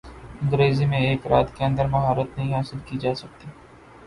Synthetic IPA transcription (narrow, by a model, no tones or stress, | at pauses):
ɪ̃ŋɡɾeːzimẽeːkɾaːt̪keə̃nd̪əɾmɐɦaːɾət̪nəɦĩɦaːsɪlkid͡ʒaːsək̚t̪iː